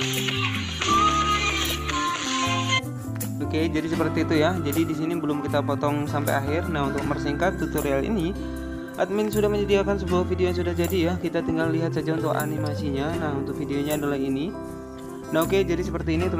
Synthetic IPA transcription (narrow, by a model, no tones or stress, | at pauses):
oked͡ʒadisəpərt̪iːt̪ujad͡ʒadidis̬inibəlʊmkit̪apɔt̪ɔŋsampa̰jaɦɪrnaɦunt̪ʊk̚mərsiŋkat̪ːut̪urealḭni | ʔa̰t̪mɪnsudahməɲədiakansəbuahfideojaŋs̬udahd͡ʒadijahkit̪at̪iŋɡalːiɦat̪̚sad͡ʒaunt̪ʊka̰nimasiɲanaɦunt̪ʊk̚fideoɲaːdalahini | naɦoked͡ʒadisəpərt̪iːnit̪u